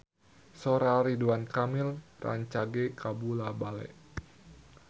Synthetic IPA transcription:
soɾaɾiduankamɪlra̰ɲt͡ʃaɡekabulabalɛ̰ʔ

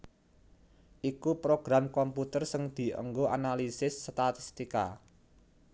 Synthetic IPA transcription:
ʔikupɾoɡ̥ɾamkɔmput̪ərsəŋd̪̥i̤ʔə̰ŋɡoʔa̰nalisɪsːt̪at̪ist̪ika̰

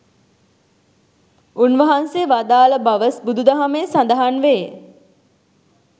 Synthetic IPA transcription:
unʋəɦanseʋad̪aːləbaʋəsbud̪ud̪aɦameːsand̪əɦanʋe

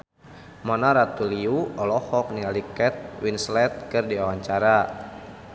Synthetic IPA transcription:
mɔnaɾat̪uliuɔlɔhɔk̚nialikɛt̪̚winslɛt̪̚kɨrdiawaɲt͡ʃaɾa

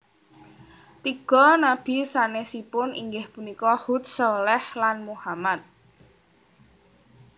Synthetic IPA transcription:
t̪iɡ̥ɔ̤nab̥i̤sanesipʊniŋɡɪhpunikɔhut̪̚sɔlɛhlanmuhamat̪̚

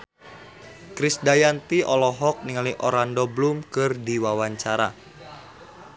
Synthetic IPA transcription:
kɾisdajant̪iʔɔlɔɦɔk̚niŋaliʔoɾandɔblumkɨrdiwawaɲt͡ʃaɾa̰

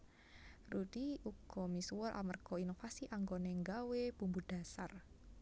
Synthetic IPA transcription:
rud̪iuɡ̥ɔmisuwəɾʔa̰mərɡ̥ɔinofasiʔaŋɡoneŋɡaweb̥umbud̥a̤sar

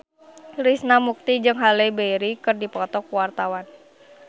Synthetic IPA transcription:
ɾisnamuk̚t̪id͡ʒɨŋɦalebeɾikɨrdipɔt̪ɔkwart̪awan

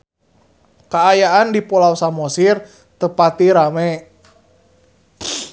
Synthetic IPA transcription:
kaːjaandipolausamosir | t̪əpat̪iɾamɛ

